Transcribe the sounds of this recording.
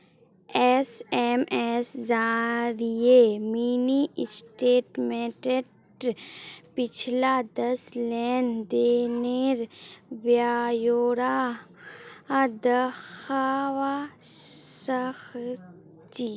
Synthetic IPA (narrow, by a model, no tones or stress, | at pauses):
ɛseːmɛsd͡ʒaːɾiemiːniɪsʈeːʈmeːʈe | pɪt͡ʃʰlad̪ɐslɛːnd̪eːneɾʋjajoːɾa | d̪əxawa | səx | t͡ʃi